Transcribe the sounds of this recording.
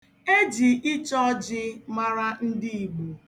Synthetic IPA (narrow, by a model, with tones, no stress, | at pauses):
e˦d͡ʒi˨ʔɪ˦t͡ʃɔ˦d͡ʒɪ˦ma˦ɾa˦n̩˦dɪ˦i˨ɡ͡bu˨